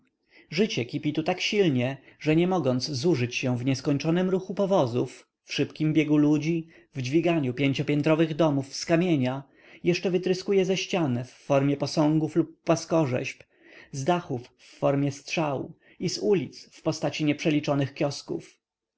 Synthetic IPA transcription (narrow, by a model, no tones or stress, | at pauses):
ʐɘt͡ɕɛkʲipʲit̪ut̪akɕilɲɛʐɛɲɛmɔɡɔnt̪szuʐɘt͡ɕɕɛ̃vɲɛskɔɲt͡ʂɔnɘmɾuxupɔvɔzufː | ʂɘpkʲimbʲjɛɡulud͡ʑi | vd͡ʑvʲiɡaɲupʲjeɲt͡ɕɔpʲjɛnt̪ɾɔvɘɣd̪ɔmufskamʲjeɲa | jɛʂt͡ʂɛvɘt̪ɾɘskujɛzɛɕt͡ɕanɛfːɔɾmʲjɛpɔsɔ̃ŋɡuflupːwaskɔʐɛ̰ɕp | zd̪axufː | ɔɾmʲjɛst̪ʂaw | izulʲit̪sfpɔst̪at͡ɕiɲɛpʂɛlʲit͡ʂɔnɘxkʲjɔskṵf